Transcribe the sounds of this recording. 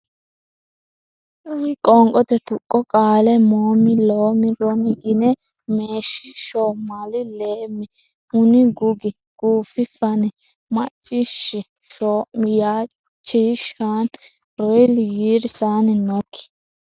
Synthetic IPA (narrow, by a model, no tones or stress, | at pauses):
kʼɔŋkʼɔt̪ɛt̪ʊkʼːɔkʼaːlɛmoːmɪloːmɪdɔmɪɡɪnɛ | meːʃɪʃoːmɐlɪleːmːɪ | hʊnɪɡʊɡɪ | ɡ̥uːfɪfɐnɛ | mɐt͡ʃʼːɪʃːɪ | ʃomjaː | t͡ʃːiʃaːn | ɾɔjljiːɾsaːnɛnokʰːɪ̥